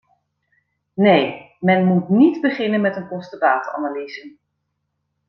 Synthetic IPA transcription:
nej | mɛnmutnidbəχɪnənmɛtənkɔstədaːta̰naliːzən

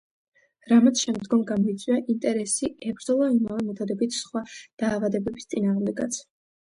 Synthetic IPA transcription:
ɾamat̪sʰʃɛmd̪ɡɔmɡamɔit̪sʼwiaʔint̪ʼɛɾɛsiɛbɾd̪zɔlˠaimavɛmɛt̪ʰɔd̪ɛbit̪ʰsχwad̪̥aːvad̪ɛbɛbist̪sʼinaːʁmd̪ɛɡa̰t̪s

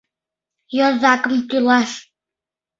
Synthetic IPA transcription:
jozɑkəmt̪ylˠɑʃ

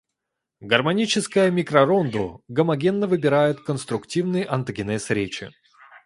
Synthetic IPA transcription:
ɡərmɐnʲit͡ɕɪskəjəmʲɪkɾɐɾond̪ʊɡəmɐɡʲe̞nːəvɨbʲɪɾajɪt̪kənst̪ɾʊktʲivnɨjəʔɐnt̪əɡʲɪnɛsɾʲet͡ɕɪ̰

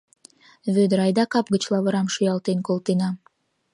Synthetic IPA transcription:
βød̪əɾɑjd̪ɑkɑp̚ɡət͡ɕlˠɑβə̆ɾɑmʃujɑlˠt̪enkolˠt̪enɑ

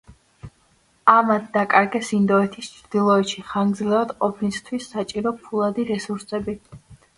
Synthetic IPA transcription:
amad̪d̪akʼaɾɡɛsind̪ɔɛt̪ʰist͡ʃʰɾd̪̥ilˠɔɛt̪ʃiχaŋɡd̪zlɛvad̪qʼɔpʰnist̪ʰwisːat͡ʃʼiɾɔpʰulˠad̪iɾɛsuɾsɛbi

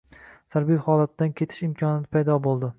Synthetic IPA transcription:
saɾbijhɒlat̪̚ːankʲʰe̞t̪ʰɪ̥ʃɪmkʰɒnɪnɪpʰajd̪ɒbolˠd̪ɪ

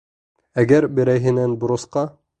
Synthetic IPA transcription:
æɡæɾbɘ̆ɾæjɦɘ̆nænbŏɾɤ̆sqɑ

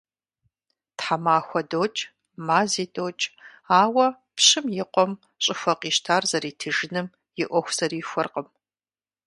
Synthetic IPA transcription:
tħamaːxʷɔdoːt͡ʃʼ | maːziːdoːt͡ʃʼ | aːwɐ | pɕɨmjɪqʷɔm | ɕʼɪxʷɐqʼiːʃtʰaːrzɐɾiːtʰɨʒɪnɨm | jɪʔʷɔxʷz̥ɐriːxʷɔrqəm

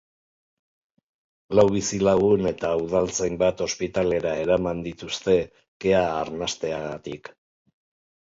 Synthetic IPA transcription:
lawβ̞isilaɣ̞une̞t̪auð̞alt͡sejmbat̪o̞spit̪ale̞ɾae̞ɾamand̪it̪ust̪e̞ | ke̞aːɾnast̪e̞aɣat̪ik

